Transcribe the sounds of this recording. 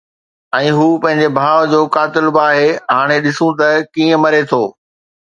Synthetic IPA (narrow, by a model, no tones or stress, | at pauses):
ɛ̃ːɦuːpɐ̃ɦɪ̃ɲ̆d͡ʑebʱaːʋd͡ʑoːkaːt̪ɪlbaːɦeɦaːɽ̃eɗɪsũt̪ɐkiːə̃mɐɾet̪ʰoː